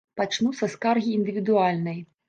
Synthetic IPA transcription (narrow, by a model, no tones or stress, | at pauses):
pat͡ʂnusɐskarɣʲiːnd̪ɨvʲid̪ualʲnɐj